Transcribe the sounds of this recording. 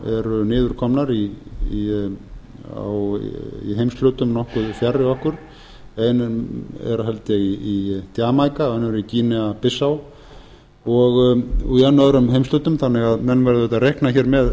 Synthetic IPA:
ɛɾʏnɪːðʏɾ̥kʰɔmnaɾii | a̰wḭɦejmst̪lʏːt̪ʏmnɔhkʏðfjarːɪɔhkʏɾ̥ | ejnɛ̰ɾaɦɛlt̪ɪiit̪jaːmajkaɛnaɾʏiciːnɛapɪsːaw | ɔɣuanːaðɾʏmɦejmst̪ʏːt̪ʏmθanːɪɣaðmɛnvɛɾðʏɛht̪arɛhknaçɛːɾmɛð

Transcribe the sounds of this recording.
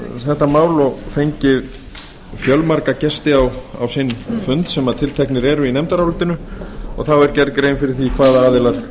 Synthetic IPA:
θɛht̪amaːwlɔfejɲcɪð | fjœlmaɾkacɛst̪ɪawa̰wsɪnfʏnt̪sɛmaðt̪ʰɪlt̪ʰɛhknɪɾɛɾʏinɛmt̪aɾawlʏlt̪ɪnʏɔ̰ɣθawɛɾcɛɾkɾejnfɪɾɪɾ̥θvikʰvaːðaaːðɪlaɾ̥

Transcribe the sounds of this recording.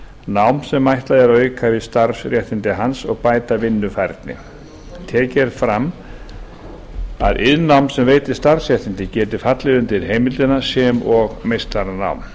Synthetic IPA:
nawmsɛmːajht̪lajðaɾœːɥkʰavɪst̪aɾsɾjɛht̪ɪnt̪ɪɦansɔɣpaːjt̪avɪnːʏfajɾt̪̚nɪ̰ | t̪ʰɛːcɛɾ̥fɾam | a̰ðʔɪðnawmsɛmveːjt̪ɪ̥st̪aɾ̥sɾjɛht̪ɪnt̪ɪcɛːt̪ɪfat̪lɪðʏmt̪ʰɪɾɦeːjmɪlt̪ɪnasjɛːmɔɣmejst̪aɾna̰wm

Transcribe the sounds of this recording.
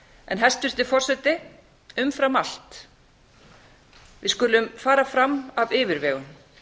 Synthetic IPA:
ɛ̰nɦɛst̪vʏst̪ɪ̥fɔr̥sɛt̪ɪ | ʏmfɾamal̥t̪ | vɪskʏlʏmfaːɾafɾamːavɪːvɪɾvɛːɣʏn

